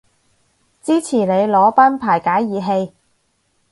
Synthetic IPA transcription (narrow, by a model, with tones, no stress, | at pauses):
t͡siː˥t͡sʰiː˨˩ne˨˧jlɔː˨˥paː˥npʰaː˨˩jkaː˨˥jːiː˨˧ɦe˧j